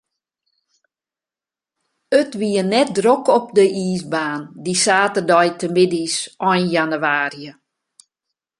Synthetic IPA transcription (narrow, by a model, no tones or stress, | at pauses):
ətʋiənɛt̚drokɔpdəiːsbaːndisaːtərdɔjtʰəmɪdisɔjnjanywaːriə